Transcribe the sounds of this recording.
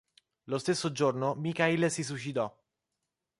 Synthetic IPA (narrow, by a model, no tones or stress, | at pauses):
lost̪esːod͡ʒornomikailsis̬ut͡ʃit̪ɔ